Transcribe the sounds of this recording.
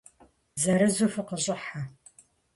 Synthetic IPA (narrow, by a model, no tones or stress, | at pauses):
zɐɾɨzufɨqəɕʼɪħa